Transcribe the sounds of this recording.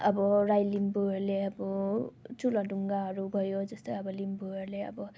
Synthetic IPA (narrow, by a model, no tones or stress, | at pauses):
ʌbʌɾajlimbuʌɾleʌbʌt͡sulʌɖuŋɡaɦʌɾubʱʌjod͡zʌst̪ojʌbʌlimbuʌrleʌ̰bʌ